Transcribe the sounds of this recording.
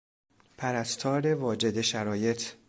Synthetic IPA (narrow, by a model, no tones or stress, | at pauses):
pʰæɾæst̪ʰɒːɾe̞vɒːd͡ʒe̞d̪e̞ʃæɾɒːje̞t̪ʰ